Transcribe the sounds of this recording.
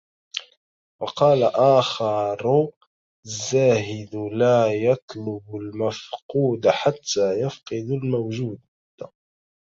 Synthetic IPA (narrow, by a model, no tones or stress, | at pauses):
wɑqɑːlaʔaːxɑɾ | azːaːɦɪd̪laːjɑt̪ˤlʊbʊlmafquːd̪aħat̪ːaːjafqɨd̪almawʒuːd̪